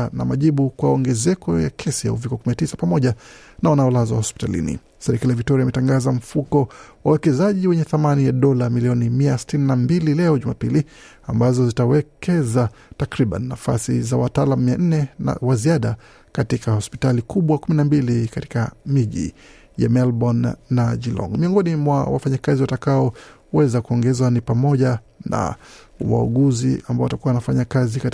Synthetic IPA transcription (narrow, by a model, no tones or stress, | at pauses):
na̰maʄiɓukwaɔŋɡɛzɛkɔja̰kʰɛsija̰uvikɔkuminatisapamɔʄanawanaɔlazwaahɔspi̥talḭnḭ | sɛɾɛkalijavik̚tɔɾiaimɛtaŋɡazam̩fukɔwawɛkɛzaʄiwɛɲɛθamanijaɗɔlamiliɔnimiasi̥tininambililɛɔʄuma̰pili | ambazɔzitawɛkʰɛza | takɾiɓa̰nːafa̰sḭzawataːlamumiaʔn̩nɛna̰waziaɗa | katikahɔspi̥talikuɓwakuminambilikati̥kamiʄḭ | ja̰mɛlbɔnːad͡ʒilɔ̰ŋmiɔŋɡɔnimwa̰wa̰faɲakaziwatakaɔ | wɛzakuɔŋɡɛzwanipamɔʄa | na̰ | wa̰ṵɠuziʔambaɔwatakuwaanafaɲakazika